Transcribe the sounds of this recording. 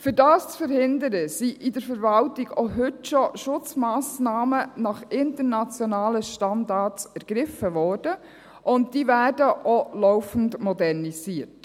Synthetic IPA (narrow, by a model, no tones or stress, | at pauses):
fyɾdɑːst͡sfəɾhɪndəɾəsiʔɪdəɾfəɾvɑltɪɡ̥oɦʏtʃɔʃʊt͡smaːsnɑːmənɑχɪntəɾnɑt͡sjɔnɑːləʃtɑndɑsæɾɡ̥ɾɪfəvɔːrd̥ə | ʔʊntd̥iːvæːrdəʔɔlɔʊfn̩dmɔdɛrniziːət